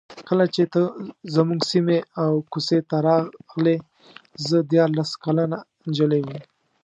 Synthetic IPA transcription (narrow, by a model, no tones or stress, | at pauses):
kəlat͡ʃet̪əzamuŋɡsimeawkuset̪aɾɑɣle | zəd̪jɑɾlaskalana | nd͡ʒəlewim